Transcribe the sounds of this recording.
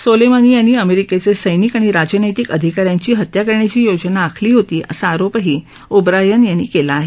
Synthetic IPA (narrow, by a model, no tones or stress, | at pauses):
solemaniːjanːiːəmeɾiket͡sesəjnikaɽ̃iɾad͡ʑənəjt̪ikəd̪ʱikaɾjãɲt͡ɕiːɦət̪jakəɾɳat͡ɕiːjod͡znaːkʰliːɦot̪iːʔəsaːɾopɦiː | ubɾajənjanːiːkelaːɦe